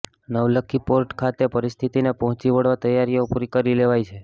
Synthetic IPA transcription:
nəʋləkʰːipoɾʈkʰat̪epəɾist̪ʰit̪inepəɦt͡ʃiʋəɽʋat̪əjaɾijopuɾikəɾileʋajt͡ʃʰe

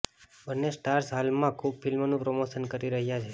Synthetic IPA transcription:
bənːesʈaɾsɦalmãkʰub̚filmnũpɾomoʃənkəɾiɾəɦjat͡ʃʰe

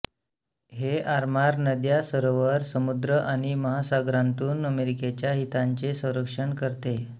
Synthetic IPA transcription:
ɦeaɾmaɾnəd̪jasəɾoʋəɾsəmud̪ɾəʔaɽ̃iməɦasaɡɾant̪uːnəmeɾiket͡ɕjaɦit̪aɲt͡sesə̃w̃ɾəkʂəɳkəɾt̪e

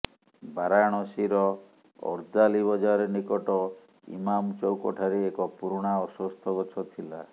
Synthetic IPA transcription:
baɾaɽ̃ɔsiɾɔ | ɔ̰ɾd̪aliβɔd͡ʒaɾenikɔʈɔ | ḭmamt͡ʃɔwkɔʈʰaɾeekɔpuɾuɽ̃aɔsɔst̪ʰɔɡɔt͡ʃʰɔt̪ʰila

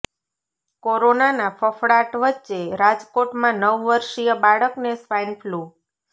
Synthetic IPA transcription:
koɾonanafʰəfɽaʈʋətːʃeɾad͡ʒkoʈmãnəʋːəɾʃijəbaɭəknesʋajnpʰlu

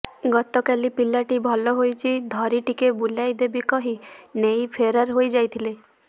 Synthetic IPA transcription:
ɡɔt̪ɔkalipilaʈibʱɔlɔɦojt͡ʃʰid̪ʱɔɾiʈikebulajd̪ebikɔɦinejpʰeɾaɾɦojd͡ʒajt̪ʰile

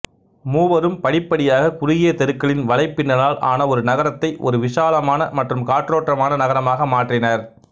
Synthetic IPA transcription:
muːʋɐɾɯmpɐɽɪpːɐɽɪjaːɣɐkʊɾɪɣɪjɐt̪ɛɾɯkːɐɭɪnʋɐɭɐɪpːɪnːɐnaːlʔa̰ːnɐɔɾɯnɐɣɐɾɐt̪ːɐɪʔɔ̰ɾɯʋɪʂaːlɐmaːnɐmɐʈrɯmkaːʈroːʈrɐmaːnɐnɐɣɐɾɐmaːɣɐmaːʈrɪnɐɾ

